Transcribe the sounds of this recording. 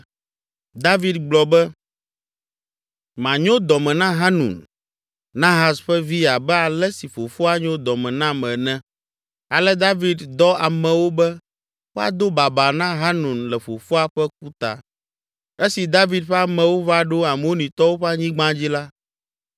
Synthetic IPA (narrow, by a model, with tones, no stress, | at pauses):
d̪a˦vi˨d̪̚ɡ͡blɔ˨bɛ˦ | mã˨ɲõ˦d̪ɔ˨mɛ̃˨nã˦ɦa˦nṵ̃˨n | nã˦ɦa˨sɸɛ˦vi˦a˨bɛ˦a˨lɛ˦si˨fo˨fo˦a˦ɲɔ˦o˦d̪ɔ˨mɛ̃˨nã˦mɛ̃˨nɛ̃˦ | a˨lɛ˦d̪a˦vi˦d̪d̪ɔ˦a˨mɛ̃˨wo˦bɛ˦ | wo˦a̰˨d̪o˦ba˨ba˨nã˦ɦa˦nũ˨nlɛ˨fo˨fo˦a˦ɸɛ˦k̚u˦t̪a̰˨ | ɛ˦si˨d̪a˦vi˨d̪̚ɸɛ˦a˦mɛ̃˨wo˦va˦ɖo˦a˨mɛ˨˦wo˦nĩ˨t̪ɔ˦wo˦ɸɛ˦a˦ɲĩ˦ɡ͡bã˦d͡ʑi˦la˦